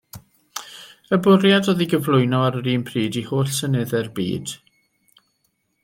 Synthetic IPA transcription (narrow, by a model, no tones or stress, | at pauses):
əbʊrjadoːðiɡəvlˠʊɨnɔaɾəɾiːnpʰriːdihoːɬsənɛðɛrbḭːd̥